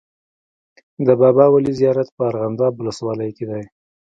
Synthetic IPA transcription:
d̪əbɑbɑwalizijɑɾat̪pəaɾɣand̪ɑbʊləswɑləjked̪aj

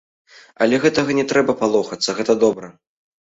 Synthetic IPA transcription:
ɐ̰lʲɛɣɛt̪ɐɣɐnʲɛt̪ɾɛbɐpalˠɔxɐt̪sːɐɣɛt̪ɐd̪ɔbɾɐ

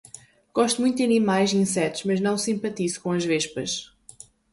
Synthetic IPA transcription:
ɡ̥ɔʃt̪umũj̃t̪d̪ɐnimajʃĩsɛt̪u̥ʒmɐʒnɐ̃w̃sĩmpɐt̪izkõɐʒveʃpɐʃ

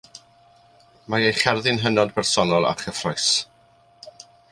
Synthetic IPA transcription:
maejχɛrðɪnɦənɔdbɛrsɔnɔlˠa̰χəfrɔjs

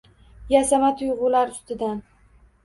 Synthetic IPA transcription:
jasamat̪ʰʊjʁʊlaɾʊst̪ɪd̪an

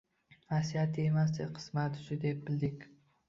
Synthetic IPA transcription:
hasijat̪ʰːiemas̬d̪ɪqʰɨ̥smat̪ʊ̥t͡ʃɪd̪ep̚bɪld̪ɪkʲ

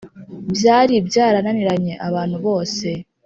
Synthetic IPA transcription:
bjaːɾibjaːɾananiɾaɲe̞ʔaβaːn̥huβo̞ːse̞

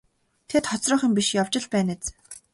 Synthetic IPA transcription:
t̪ʰet̪χɔt͡srɞ̆ːχə̆mpiʃjawt͡ɕɪ̆ɮpæːnet͡s

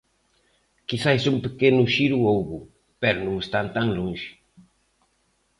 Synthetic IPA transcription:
kisajsumpekenʊʃiɾuowβu | pɛɾʊnũŋest̪ant̪aŋlũŋʃɪ̥

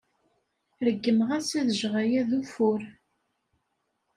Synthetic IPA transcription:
ɾəɡːəmʁæsæðəʒʁæjæðufʊɾ

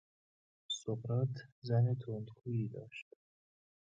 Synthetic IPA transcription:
sobɾɒːt̪ʰzænet̪ʰond̪kʰuːiːd̪ɒ̰ːʃt̪

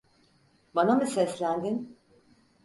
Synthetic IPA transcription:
banamɯsɛslʲænd̪in

